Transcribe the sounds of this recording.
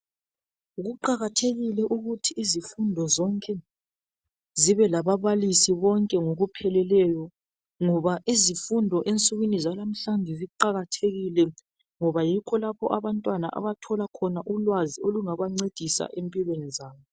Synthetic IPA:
uɣuǃaɣatʰeɣilɛʔuɣutʰiːzifundʱɔzɔŋkʼɛ | ziβɛlaβaβalisiβɔŋkʼɛŋoɣupʰɛlɛlɛjɔ | ŋɔβaʔizifundʱɔʔent͡sʼuɣwinizalam̩ɬanʱiziǃaɣatʰeɣilɛ | ŋɔβajikʰɔlapʰɔʔaβantʼwana̰ʔa̰βatʰɔlakʰɔnaʔulwazioluŋaβaŋ͡ǀed̥ʱisa̰ʔempʼilwenizaːβɔ

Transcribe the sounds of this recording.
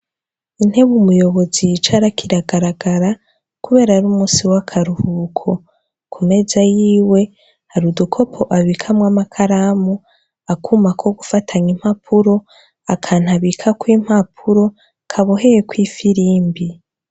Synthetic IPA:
in̥he̞βumujo̞βo̞zit͡ʃaɾakiɾaɡaɾaɡaɾa | kuβe̞ːɾaɾuːmuːsiwakʰaɾuhukʰo̞ | kʰume̞zajiːwe̞ | haɾudukʰo̞pʰo̞ʔaβiːkʰamwamakʰaɾaːmu | akʰumakʰo̞ɡufatʰaɲim̥hapʰuɾo̞ | akʰaːn̥aβiːkʰakwiːm̥hapʰuɾo̞ | kʰaβoɦe̞jekwiːfiɾiːmbi

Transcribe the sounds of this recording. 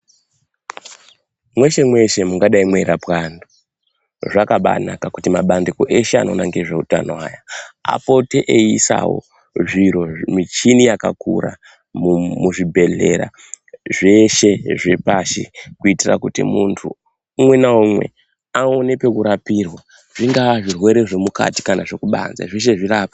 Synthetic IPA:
mwe̞ʃe̞mwe̞ʃe̞muŋɡaɗaimweɾapwando | ʐakaɓa̰nakakutimaɓandiko̞ʔe̞ʃea̰no̞naŋɡeʐeuta̰nowaːjaa̰po̞teʔeisa̰wo̰ | ʐiɾo̞mit͡ʃinijaka̰kṵɾa̰ | mumuʐibʱe̞ɮe̞̰ɾa̰ | ʐe̞ʃe̞ʐepaʃikuitira̰kutḭmuntʰṵ | umwe̞naumwe̞̰ | aone̞pe̞kuɾapirwa | ʐ̥iŋɡaʋaʐirwe̞ɾe̞ʐe̞muka̰ti̥kanaʐe̞kuɓa̰nza̰ʐeʃ̬e̞ʐirapḁ

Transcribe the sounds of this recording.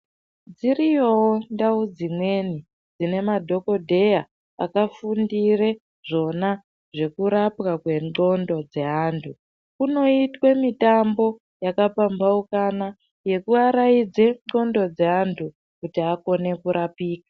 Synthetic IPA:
d͡zirijo̞wondaud͡zimwe̞ni | d͡zine̞madʱo̞ko̞dʱe̞ja | a̰kafundire̞ | ʐo̞na | ʐe̞kuɾapwakwe̞o̞ndo̞d͡ze̞ɦaːntʰu | kuno̞itwe̞mitambo̞ | jakapambaukana | je̞kuaɾaid͡zeo̞ndo̞d͡ze̞antʰu | kutiako̞ne̞kuɾapiːka

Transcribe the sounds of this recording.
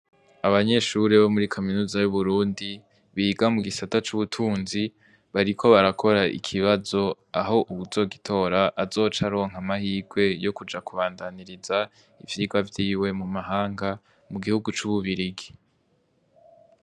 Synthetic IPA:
aβaɲe̞ʃuɾeβo̞muɾikʰominuːzajuβuɾuːndi | βiːɡamuɡisatat͡ʃuβutʰuːnzi | βaɾikʰo̞βaɾakʰo̞ɾaʔḭkʰiβazo̞ | aɦo̞ʔuβuzo̞ɡitʰo̞ːɾaʔazo̞ːt͡ʃaɾo̞ːŋɦamahiːɡwe̞jo̞kud͡ʒakuβaːndaniɾiza | ivjiːɡwavjiːwe̞mumaɦaːŋɡa | muɡihuɡut͡ʃuβuβiɾiɡi̥

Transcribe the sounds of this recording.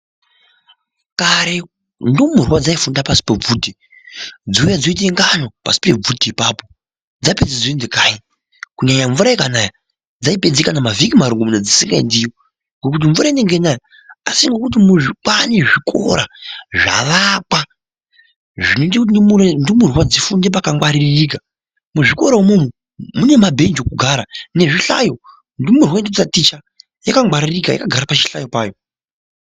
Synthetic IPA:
kaɾe | ndomurwad͡zaifundapasi̥peb͡vuːti | d͡ziujad͡zoit̬eŋɡanopa̰si̥pe̞b͡vutiːpaːpo̞ | d͡zaped͡zid͡zoindekai | kuɲaɲaɱvuɾaikanaja | d͡zaipe̞d͡zikanamavikimaɾuŋɡumuned͡zisiŋɡaindijo | ŋɡekut̬iɱvuɾaine̞ŋɡenaja | asiŋɡo̞kutimuʐik͡paneʐikʰo̞̰ɾaʐa̰ʋaka | ʐinot̬ekutniuɾndimurwad͡zifundep̬akaŋɡwaɾirika | muʐiko̞ɾaumomu | mune̞mabʱe̞ɲd͡ʒokuɡʱaɾane̞ʐiɬa̰jo̞ | ndimurwaindiut͡satit͡ʃa | jakaŋwaɾirikaja̰kaɡʱaɾapat͡ʃi̥ɬajo̞paːjo̞

